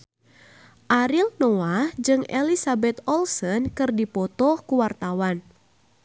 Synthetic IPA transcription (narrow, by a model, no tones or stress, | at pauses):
ʔaɾilnɔahd͡ʒɨŋḛlisabɛt̪ɔlsənkɨrdipɔt̪ɔhkuwart̪awan